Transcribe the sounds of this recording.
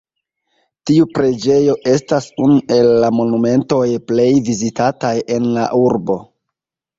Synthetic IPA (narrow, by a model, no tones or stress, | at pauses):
tiupɾe̞d͡ʒe̞jo̞ʔe̞stasunuʔe̞lːamo̞nume̞nto̞jple̞jvizitataje̞nla̰ʔuɾbo̞